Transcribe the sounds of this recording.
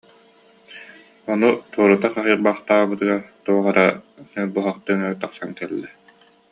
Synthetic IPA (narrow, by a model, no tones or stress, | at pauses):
ɔnut̪uɔɾut̪aχaɦɯːɾbaχt̪aːbɯt̪ɯɡaɾt̪uɔʁaɾabuɦaχt̪ɯŋɯt̪aqsaŋkɛlːɛ